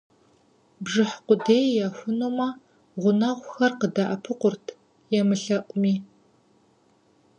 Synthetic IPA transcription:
bʐɨħqʷʊdeːjjaxʷʊnoːmɐ | ʁʷʊnɐʁʷxɐrqədɐʔɐpʰɨqʷʊrtʰ | jɛmɨɬɐʔʷʼʊmiː

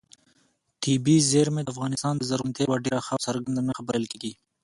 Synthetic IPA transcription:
t̪ʰibizeɾmed̪afɣɑnɪst̪ɑnd̪əzaɾunt̪ʰewaɖeɾaxasaɾɡand̪anaxabaɾjɑlkeɡi

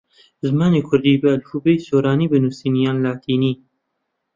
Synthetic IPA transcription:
zmɑːneːkʰʊɾd̪iːbəalfubesoːɾɑːniːbənusiːnijɑːnlaːt̪ʰiːniː

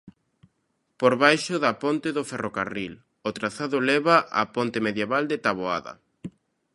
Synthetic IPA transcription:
poɾβajʃʊðapont̪eðʊferoka̰ril | ot̪ɾaθaðʊlɛβaʔa̰pont̪emeðjeβald̪et̪aβoa̰ðɐ̰

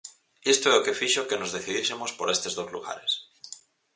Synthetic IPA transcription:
est̪oeoke̞fiʃoke̞no̞zðe̞θiðjesemo̞spo̞ɾe̞st̪e̞zðo̞zlṵɣa̰ɾe̞s

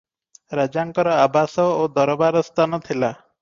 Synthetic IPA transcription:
ɾad͡ʒaŋkɔɾɔabasɔod̪ɔɾɔbaɾɔst̪ʰanɔt̪ʰila

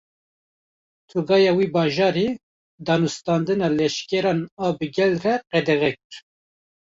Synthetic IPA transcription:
t̪ʰuɡɑːjɑwiːbɑːʒɑːɾi | d̪ɑːnust̪ɑːnd̪ɨnɑlɛʃkɛɾɑːnɑːbɨɡɛlrɛqɛd̪ɛɣɛkɨɾ

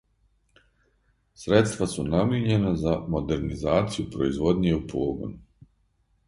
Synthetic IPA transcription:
sɾet̪st̪ʋasunamjeɲe̞nazamo̞d̪e̞ɾnizaːt̪sijupɾoizʋo̞d̪ɲieupʰoːɡo̰nu

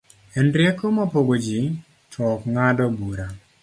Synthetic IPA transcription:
ɛndɾjekomɔpoɡod͡ʒi | t͡ʃɔkŋadɔbuɾa

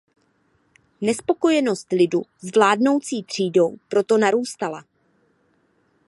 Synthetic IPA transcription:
nɛspo̞ko̞jɛno̞st̪lɪduzvlaːdno̞wt͡siːt̪r̝̥iːdo̞wpɾo̞t̪o̞naɾuːst̪ala

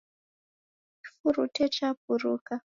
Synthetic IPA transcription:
t͡ʃi̥fuɾutet͡ʃap̚uɾuːka

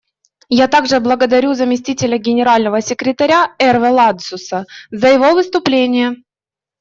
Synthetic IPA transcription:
jat̪aɡʐɨblˠəɡəd̪ɐɾʲuzəmʲɪsʲtʲitʲɪlʲəɡʲɪnʲɪɾalʲnəvəsʲɪkɾʲɪt̪ɐɾʲaɛrvəlˠad̪sʊsəzəjɪvo̞vɨst̪ʊplʲenʲɪjə

